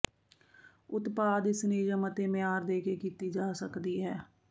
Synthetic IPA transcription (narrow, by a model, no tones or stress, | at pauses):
ʊt̪paːd̪ɪsniːd͡ʒəmət̪eːmɪjaːɾd̪eːkeːkiːt̪iːd͡ʒaːsəkd̪iːɦɛː